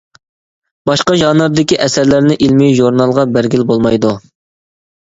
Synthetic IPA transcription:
b̥ɑʃqɑʒɑnɑɾd̪ɪkʲiʔɛsæɾlæɾnɪʔilmiʒuɾnɑlˠʁɑbæɾɡʲilbolˠmɑjd̪u

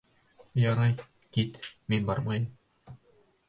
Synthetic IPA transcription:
jɑɾɑjkit̪minbɑɾmɑjɤm

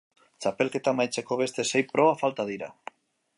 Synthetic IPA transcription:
t͡ʃapelket̪amajt͡ʃekoβ̞est̪esejpɾʔoβafalt̪aðiɾa̰

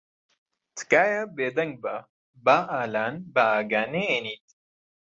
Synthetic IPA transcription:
t͡sʰkaːjabeːd̪ɐŋɡ̚ba | baːʔaːlaːnbaːɡaːneenit̪

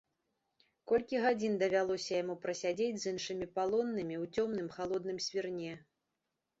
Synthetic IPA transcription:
kɔlʲkʲiɣad͡zʲind̪ɐvʲalˠɔsʲɐjamupɾɐsʲad͡zʲed͡zʲzɨnʂɨmʲipalˠɔnːɨmʲiwt͡sʲɔmnɨmxalˠɔd̪nɨmsʲvʲirnʲɛ

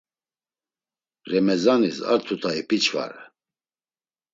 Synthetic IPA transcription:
ɾɛmɛzanisa̰ɾt̪ʰut̪ʰaipʰit͡ʃʰva̰ɾɛ

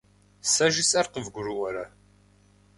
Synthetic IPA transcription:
sɐʒɪsʼɐrqəvɡʷʊɾɨʔɐɾɐ

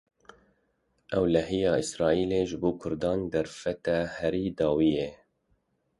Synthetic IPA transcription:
ʔɛwlɛɦijɑːʔɪsɾɑːʔiːleːʒɨboːkʰʊɾd̪ɑːnd̪ɛɾfɛt̪æhɛɾiːd̪ɑːwiːje

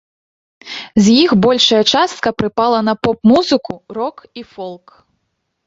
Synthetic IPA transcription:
zʲjixbɔlʲʂɐjɐt͡ʂast̪̚kɐpɾɨpalˠɐnɐpɔpmuzɨkurɔkifɔlˠk

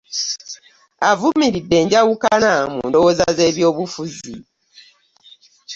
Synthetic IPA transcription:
avumiɾidːe̞ːɲɟawukanamṵːndowoːzaze̞ːβjo̞ːβufuzḭ

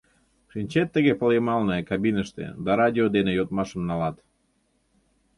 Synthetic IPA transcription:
ʃinʲt͡ɕet̪ːəɣepəljəmɑlnekɑbinəʃt̪ḛd̪ɑɾɑd̪ʲiod̪enejot̪mɑʃəmnɑlɑt̪

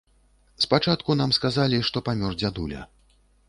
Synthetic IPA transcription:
spat͡ʂat̪kunamskazalʲiʂt̪ɔpamʲɔrd͡zʲad̪ulʲɐ̰

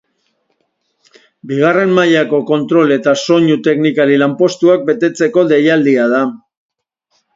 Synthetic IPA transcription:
biɣ̞are̞mmaʎako̞ko̞nt̪ɾo̞le̞t̪aso̞ɲut̪e̞knikaɾilampo̞st̪uak̚be̞t̪e̞t͡se̞ko̞d̪e̞jald̪iað̞a

